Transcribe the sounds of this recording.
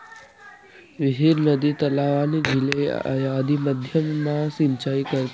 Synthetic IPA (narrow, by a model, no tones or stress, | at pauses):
ʋɪɦiɾnəd̪it̪əlaʋanid͡ʒʱɪlḛa̰jad̪iməd̪ʱjəmnasɪ̃nt͡ʃaikəɾt̪